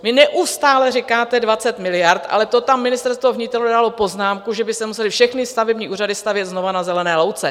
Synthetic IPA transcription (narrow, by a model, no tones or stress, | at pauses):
vɪnɛʔust̪aːlɛrɪkaːt̪ɛdvat͡sɛt̪mɪlɪjaɾt̪ʔa̰lɛt̪o̞t̪amːɪnɪst̪ɛɾst̪voɦɲɪt̪ɛludalopo̞znaːmkuʒɛbɪst̪ɛmusɛlɪfʃɛxnɪst̪avɛbɲiːʔuːradɪst̪avjɛt̪zno̞vanazɛlɛnɛːlowt͡sɛ